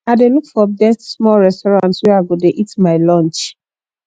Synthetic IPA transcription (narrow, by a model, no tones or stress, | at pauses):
aɪdelukfɔdɛsmɔɹɛstɔɹɔ̃ntswɛaɪɡodeʔitmaɪlɔ̃nt͡ʃ